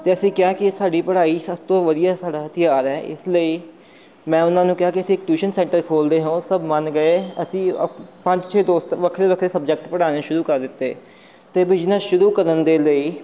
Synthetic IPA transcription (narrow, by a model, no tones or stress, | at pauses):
t̪eːəsĩːkɪãːkɪsaːɖiːpəɽaːiːsəb̚t̪õːʋəd̪ijaːsaːɖaːt̪ɪjaːɾɛːʔɪ̰sləiː | mɛ̃ːʊnãːnũːkɪɦãːkiəsĩːkʈuːʃənsɛ̃ːɳʈəɾkʰoːld̪eːɦõːsəbmənɡəeːəsĩːə̰pə̃ɲt͡ʃt͡ʃʰeːd̪oːst̪ʋəkʰɾeːʋəkʰɾeːsəbd͡ʒɛk̚ʈpəɽaːneːʃʊɾuːkəɾd̪ɪt̪ːeː | t̪eːbɪd͡ʒnəsʃʊɾuːkəɾənd̪eːləiː